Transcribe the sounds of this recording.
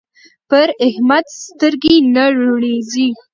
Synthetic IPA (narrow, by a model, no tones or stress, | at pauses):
pəɾɪhmad̪st̪əɾɡenaɾoɽezi